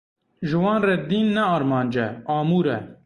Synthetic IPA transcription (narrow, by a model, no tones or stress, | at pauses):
ʒɪwɑːnrɛd̪iːnːɛɑːɾmɑːnd͡ʒɛɑːmuːɾɛ